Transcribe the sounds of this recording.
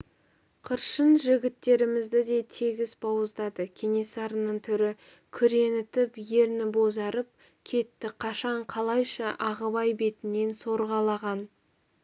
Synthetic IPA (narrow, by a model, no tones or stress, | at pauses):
qʰəɾʃənʒɪɡʲɪt̪ːe̞ɾɪmɪzd̪ɪd̪e̞t̪ʰeɡʲɪzbɑwəzd̪ɑd̪əkʲʰe̞nesɑɾənəɴt̪ʰʏɾɪ | kʲʰʏɾe̞nɪt̪ɪpje̞ɾnɪbo̞zɑɾəp̚ | kʲʰe̞t̪ːɪqʰɑʃɑɴqʰɑlˠɑjʃɑʔɑʁəbɑjbe̞t̪ɪne̞nso̞ɾʁɑlˠɑʁɑn